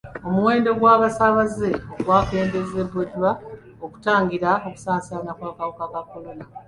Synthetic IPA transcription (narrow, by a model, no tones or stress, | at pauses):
o̞muwe̞ːndo̞ɡwaːβasaβazeoɡwaːke̞ːmbeze̞βodwa | oku̥taːŋɡiɾao̞ku̥saːnsaːnakwaːkawokakakːo̞lo̞na